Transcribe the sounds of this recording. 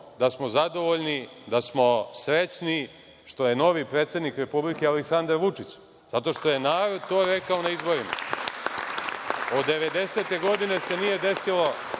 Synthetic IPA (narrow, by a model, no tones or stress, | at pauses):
d̪asmo̞zad̪o̞ʋoʎnid̪asmo̞sɾet͡ʃni | ʃt̪o̞je̞no̞ʋipɾeːt̪sed̪nikɾe̞publike̞aleksand̪aɾʋut͡ʂit͡ɕ | zat̪o̞ʃt̪o̞je̞naːɾo̞d̪̚t̪o̞ːɾe̞kaonaizbo̞ɾima̰ | od̪ːe̞ʋe̞d̪e̞set̪e̞ɡo̞d̪ine̞se̞nije̞d̪e̞silo̞